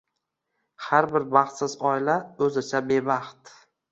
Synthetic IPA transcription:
haɾbɪɾbɑχt̪sɪzɒɪlaɵzɪt͡ʃʰabe̞bɑχt̪

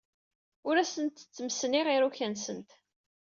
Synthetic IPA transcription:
ʊɾæsənt̪t͡sːəməsniʁiɾuçænsənt̪

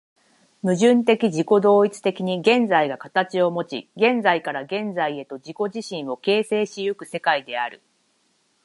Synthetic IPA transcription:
mɯ̟ʑɨ̃nt̪e̞kʲiʑiko̞d̪o̞ːit͡sɨ̥t̪e̞kʲiɲ̟iɡẽ̞nd͡zaiɡakat̪at͡ɕio̞mo̞t͡ɕḭɡẽ̞nd͡zaikaɾaɡẽ̞nd͡zaie̞t̪o̞d͡ʑiko̞ʑiɕĩɰ̃o̞ke̞ːse̞ːɕijɯkɯ̟se̞kaid̪e̞aɾɯ̟̰

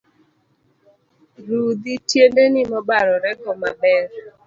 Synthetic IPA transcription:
ɾud̪itjendenɪmɔbaɾɔɾɛkɔma̰bɛɾ

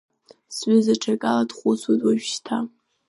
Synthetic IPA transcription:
sɥɪzaʈ͡ʂʰakʼaladχʷʊt͡sʰwajtʼwaʒᶣʃtʰa

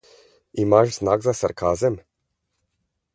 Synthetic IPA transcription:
imaʃznaːɡzasaɾkʰazem

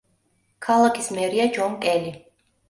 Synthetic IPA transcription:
kʰalˠakʰi̥smɛɾiad͡ʒɔmkʼɛli

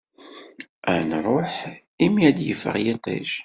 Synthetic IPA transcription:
ʔænɾˤoħimæd̪jə̰fə̰ʁjit̪ˤḛʃ

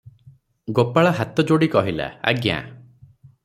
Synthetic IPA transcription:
ɡopaɭaɦat̪ɔd͡ʒoɽikɔɦila̰a̰ɡjã̰

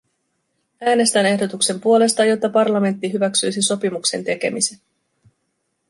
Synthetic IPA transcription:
æːne̞st̪æne̞hdo̞t̪ukse̞mpuo̞le̞st̪ɑjo̞t̪ːɑpɑrlɑme̞nt̪ːiɦyʋæksyjsiso̞pimukse̞̰nt̪e̞k̟e̞̰mise̞n

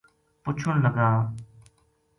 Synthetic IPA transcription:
pʊt͡ʃʰʊnləɡaː

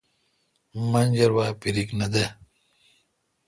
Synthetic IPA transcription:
mɐnd͡ʑɐɾwaːpiɾiknɐd̪e

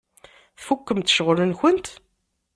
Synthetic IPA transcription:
θfukːəmt̪ʃʁlənçənt̪

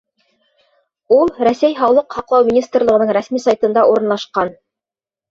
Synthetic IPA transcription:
ulˠɾæsæjɦɑwlˠɤqhɑqlˠɑwmʲinʲist̪rlˠɤ̆ʁɤ̆nɤɴɾæsmisɑjt̪ɤ̆nd̪ɑʔuɾɤ̆nlˠɑʃqɑn

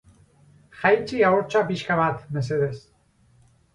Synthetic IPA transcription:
xajt͡ʃiaoɾt͡ʃapiʃkaβat̪meseðes

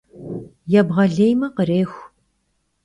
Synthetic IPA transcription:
jɛbʁɐɮeːjmɐqəɾeːxʷ

